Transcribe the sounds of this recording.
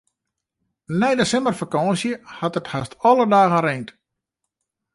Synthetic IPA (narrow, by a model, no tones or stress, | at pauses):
nɛjdəsɪmbərfakɔ̃nsjəhatəthastɔlədaːɣəreːnt